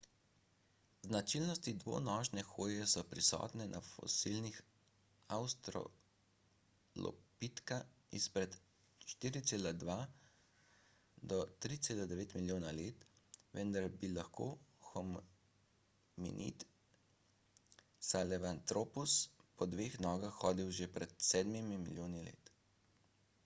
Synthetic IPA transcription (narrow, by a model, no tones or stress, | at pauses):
znat͡ʃilnɔst̪id̪ʋo̰ːnɔːʒnɛxoːjɛsɔpɾisɔ̰ːt̪nɛnʔafɔ̰silnix | awst̪ɾɔ̰ | lɔ̰pit̪kaispɾɛt̪ | ʃt̪iːɾit̪seːlad̪ʋaː | d̪ɔt̪ɾit̪seːlad̪ɛʋeːt̪miljoːnaleːt̪ʋɛnd̪aɾbilaxkoːxɔm | mḭnʔḭt̪ | salɛʋant̪ɾoːpuspɔd̪ʋeːxnɔːɡaxːɔːd̪iwʒepɾɛt̪sɛːd̪mimimiljoːnilḛːt̪